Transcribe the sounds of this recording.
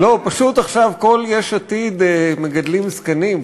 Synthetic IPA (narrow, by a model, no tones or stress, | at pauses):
lo̞paʃut̪aχʃavko̞ljeʃat̪id̪meɡad̪limskanim